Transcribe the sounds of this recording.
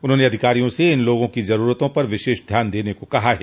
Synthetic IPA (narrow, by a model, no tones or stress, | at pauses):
ʊnɦõːneɐd̪ʱɪkaːɾijõseɪnloːɡõkizɐɾuːɾət̪õpɐɾʋɪʃeːʃd̪ʱjaːnd̪eːnekokɐɦaɦɛː